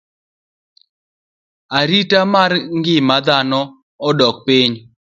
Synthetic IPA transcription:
aɾitamarŋɡɪmad̪anɔ | ɔdɔk̚piɲ

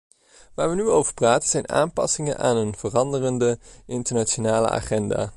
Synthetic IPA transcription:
ʋaːɹʋənyowvəɹpraːtənz̥ɛjnʔa̰ːnpɑ̰sɪŋənʔaːnənv̥ərɑndərəndəʔɪntəɹnat͡ʃonaːlə̰ʔa̰ːχɛnda̰ː

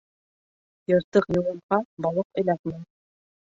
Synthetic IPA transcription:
jɤ̆ɾt̪ɤqjŏwɤ̆ɴqɑbɑlˠɤqɘ̆læk̪mɘn

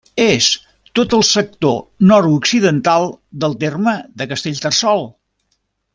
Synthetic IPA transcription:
es | t̪ot̪əlˠsək̚t̪onɔɾuksiðənt̪alˠd̪əlˠt̪erməðəkəst̪eʎʲt̪ərsɔlˠ

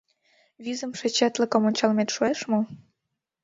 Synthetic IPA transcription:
βizə̆mʃet͡ɕæt̪ləkə̆monʲt͡ɕɑlmet̪ʃoeʃmo

